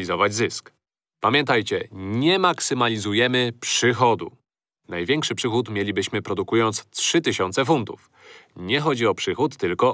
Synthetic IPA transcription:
izɔvad͡ʑzɘsk | pamʲjɛnt̪ajt͡ɕɛɲɛmaksɘmalʲizujɛmɘpʂɘxɔd̪ṵ | najvʲjɛŋkʂɘpʂɘxut̪mʲjɛlʲibɘɕmɘpɾɔd̪ukujɔnt̪stʂɘt̪ɘɕɔnt̪sɛf̬unt̪ṵf | ɲɛxɔd͡ʑiɔpʂɘxut̪ːɘlkɔ

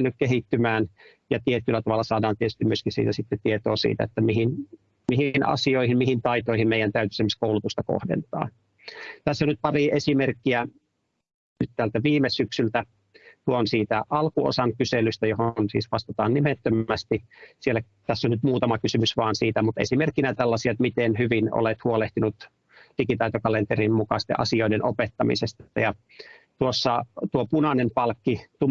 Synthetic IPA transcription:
nːykkehit̪ːymæːn | jɑt̪iet̪ylːæt̪ɑʋɑlːɑsɑːdɑːnt̪iet̪yst̪imyøskisḭːt̪æsit̪ːet̪iet̪oːsḭːt̪æ̰et̪ːæmihin | mihinɑ̰sioihimmihint̪ɑit̪oihimmeijˑænt̪æyt̪y̥semːiskoulut̪ust̪ɑko̰hdḛnt̪ɑ̰ː | t̪æsːonnyt̪̚pɑriʔesimerkːiæ | nnyt̪t̪ælt̪æʋiːmesyksylt̪æ | t̪uonsiːt̪æʔɑlkuo̰sɑŋkyselyst̪æjohonsḭːsʋɑst̪et̪ɑːnnimet̪ːømæst̪isielːæ | t̪æsːonnyt̪muːt̪ɑmɑkysymysʋɑːnsiːt̪æmut̪ḛsimerkːinæt̪ælːɑsiɑt̪mit̪enhyʋino̰let̪huoleht̪inut̪ | d̥ikit̪ɑit̪okɑlent̪erimmukɑst̪ḛʔɑ̰sioidenʔopet̪ːɑmḭsest̪ɑjɑ | t̪uosːɑt̪uopunɑnempɑlkːit̪u

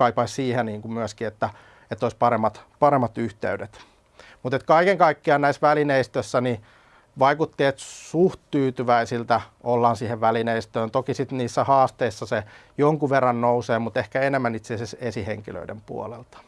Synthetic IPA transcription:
ɑipɑissiːheniːŋkummyæskiet̪ːæ | et̪ːoispɑɾemːɑt̪pɑɾemːɑt̪yht̪ḛydet̪ | mut̪et̪kɑikeŋkɑikːiɑnnæisʋælineist̪øsːæni | ʋɑikut̪ːiet̪suhtt̪yːt̪yʋæisilt̪æolːɑːnsiːheʋʋælineist̪øːnt̪okisit̪niːsːæhɑːst̪eisːɑse | joŋkuʋerːɑnnouseːmut̪ehkæenemːænit̪seːsesesiheŋkilø̰idḛmpṵo̰lelt̪ɑ̥

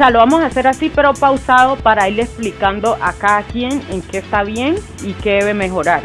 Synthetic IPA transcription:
ealo̞βamo̞saseɾasipe̞ɾo̞pawsaðo̞paɾaiɾe̞splikand̪o̞ʔakaðakje̞ŋe̞ŋke̞ːst̪aβ̞je̞ŋ | ike̞ðeβe̞me̞xo̞ɾaɾ

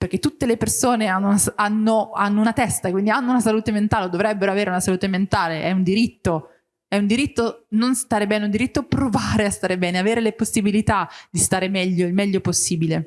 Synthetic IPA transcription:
perk̟et̪ːut̪ːelepersoːneanːounasanːoanːounat̪ɛst̪akwind̪ianːounasaluːt̪ement̪aːleod̪ovɾɛbːeɾoaveːɾeunasaluːt̪ement̪aːleʔɛund̪iɾit̪ːo | ɛund̪iɾit̪ːononst̪aːɾebɛːneund̪iɾit̪ːoapɾovaːɾeast̪aːɾebɛːneaveːɾeleposːibilit̪ad̪̥ist̪aːɾemɛʎːoilmɛʎːoposːiːbile

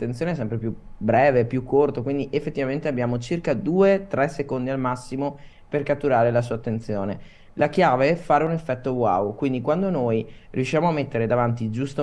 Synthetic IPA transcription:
t̪ːensjoneɛs̬ɛmpɾepjubɾɛːvepjukʰːort̪okwind̪iʔefːet̪ːivament̪eabːjaːmot͡ʃirkad̪uːet̪ɾɛsekond̪ialmasːimo | perkat̪ːuɾaːɾelas̬uːat̪ːent̪sjoːne | lakjaːveɛfaːɾeunefːɛt̪ːowa̰wkwind̪ikwand̪onojrḭjuʃːjaːmoamːet̪ːeɾed̪avant̪id͡ʒust̪o

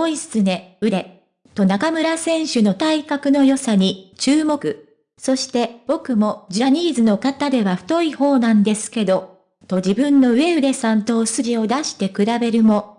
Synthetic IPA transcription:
oisɨ̥t͡sɨne̞ɯ̟ɾe̞ | t̪o̞nakamɯ̟ɾasẽ̞ɰ̃ɕɨno̞t̪aikakɯ̟no̞jo̞saɲ̟it͡ɕɨːmo̞kɯ̟ | so̞ɕi̥t̪e̞b̥o̞kɯ̟mo̞d͡ʑiaɲ̟iːzɨno̞kat̪ad̪e̞βaɸɯ̟̥t̪o̞iho̞ːnãnd̪e̞sɨ̥ke̞d̪o̞ | t̪o̞d͡ʑibɯ̟̃nːo̞ɯ̟e̞ɯ̟ɾe̞sãnt̪o̞ːsɨɡʲio̞d̪aɕi̥t̪e̞kɯ̟ɾabe̞ɾɯ̟mo̞

